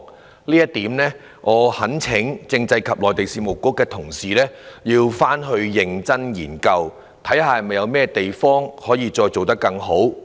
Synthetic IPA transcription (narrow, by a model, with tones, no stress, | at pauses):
liː˥jɐ˥t̪iː˨˥mnɛː˥ | ŋɔː˨˧hɐ˨˥nt͡sʰɪ˨˥ŋt͡sɪ˧ŋt͡sɐ˧jkʰɐ˨p̚lɔː˨jt̪e˨jsiː˨mʊ˨˩kːʊː˥kːɛː˧t̪ʰʊ˨˩ŋsiː˨˩lɛː˥jiː˧wfaː˥nɦɵ˧ɥjɪ˨ŋt͡sɐ˥njiː˨˩nkɐ˧w | t̪ʰɐ˨˥jhaː˨hɐ˨jmɐ˨˩jɐ˨˧wmɛː˥t̪e˨jfɔː˥ŋhɔː˨˥jiː˨˧t͡ʃɔː˧jt͡so˨wt̪ɐ˥kːɐ˧ŋɦo˨˥w